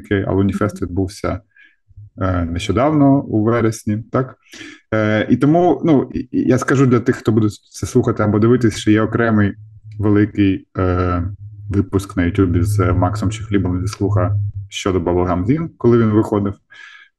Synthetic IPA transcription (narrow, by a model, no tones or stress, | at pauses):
kɪɐ̰lˠɛʊnʲifɛst̪ʋʲid̪̚buwsʲɐ̰ | nɛʃt͡ʃɔd̪ɑwnɔɔuʋɛɾesʲnʲit̪ɑk | it̪ɔmunujaskɐʒud̪lʲɐt̪ɪxxt̪ɔbud̪ʊtʲt̪sɛslˠuxɐt̪ɪɐbɔd̪ɪʋɪt̪ɪsʲʃt͡ʃɔjɛɔkɾɛmɪjʋelˠɪkɪj | ʋɪpʊsknɐjʊtʲjubʲɪzmɑksɔmt͡ʃɪxlʲibɔmd̪ʲɐslˠuxɐʃt͡ʃɔd̪ɔbɔblˠɐɦɑmzʲinkɔlˠɪʋʲinʋɪxɔd̪ɪw